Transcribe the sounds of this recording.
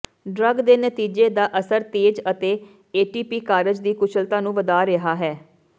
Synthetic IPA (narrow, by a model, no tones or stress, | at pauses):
ɖɾəɡd̪eːnət̪iːd͡ʒeːd̪aːʔəsəɾt̪eːd͡ʒət̪eː | eːʈiːpiːkaːɾəd͡ʒd̪iːkʊt͡ʃʰəlt̪ãːnũːʋəd̪aːɾɪɦaːɦɛː